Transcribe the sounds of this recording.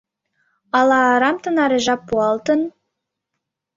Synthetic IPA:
ɑlˠɑːɾɑmt̪ə̆nɑɾeʒɑpːuɑlˠt̪ən

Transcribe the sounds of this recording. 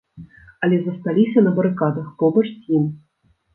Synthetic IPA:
ɐlʲɛzɐst̪alʲisʲɐnɐbɐɾɨkad̪ɐxpɔbɐt͡ʂsʲim

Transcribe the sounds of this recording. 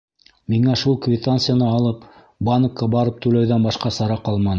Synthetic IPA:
miŋæʃulˠkvʲɪt̪antsɨjanɤːlˠɤp | banəkːɑbɑɾɤp̚t̪ʉlæwðænbɑʃqɑsɑɾɑqɑlˠmɑnɤ

